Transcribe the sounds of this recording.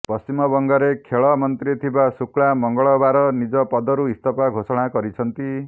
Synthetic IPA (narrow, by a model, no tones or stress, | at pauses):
pɔst͡ʃimɔbɔŋɡɔɾekʰeɭɔmɔnt̪ɾit̪ʰibasukɭamɔŋɡɔɭɔbaɾɔnid͡ʒɔpɔd̪ɔɾuist̪ɔpaɡʱosɔɽ̃akɔɾit͡ʃʰʌnt̪i